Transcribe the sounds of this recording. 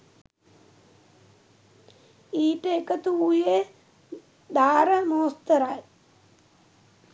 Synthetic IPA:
iːʈeːkɐt̪uuːje | d̪aːɾɐmoːst̪ɐɾaːl

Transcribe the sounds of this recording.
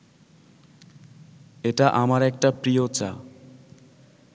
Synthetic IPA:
eʈaʔamaɾɛk̚ʈapɾijot͡ɕa̰

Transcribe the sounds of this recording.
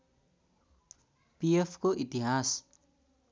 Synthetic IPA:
piefkoʔit̪iɦas

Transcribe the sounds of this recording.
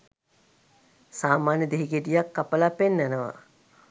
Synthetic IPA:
saːmaːnjəd̪eɦiɡeʈijakːapəlapenːænəʋa̰

